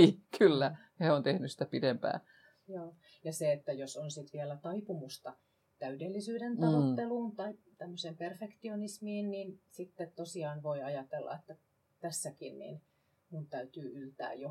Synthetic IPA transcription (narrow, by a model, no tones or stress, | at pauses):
iːkʰylːæheont̪ehnysi̥t̪æpidempæ̰ː | joː | jɑseet̪ːæjosonsit̪ʋiælæt̪ɑipumust̪ɑ | t̪æydelːisyːdent̪ɑʋot̪ːeluːnt̪ɑit̪æmːøsemperfekt̪ionismiːnninsit̪ːet̪t̪osiɑːnʋoiɑjɑt̪elːɑ̰et̪ːæ | t̪æsːækinnḭn | munt̪æyt̪yːylt̪æ̰ːjjo